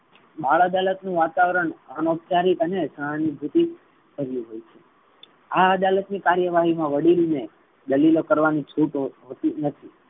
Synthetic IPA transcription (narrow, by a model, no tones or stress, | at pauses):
baɭad̪alət̪nũʋat̪aʋɾəɳənop̚t͡ʃaɾik̪ənesə̃anibʱut̪i | kəɾjũɦojt͡ʃʰe | aəd̪alət̪nikaɾjəʋaɦimãʋəɽilne | d̪əlilokəɾʋanit͡ʃʰuʈɦot̪inət̪ʰi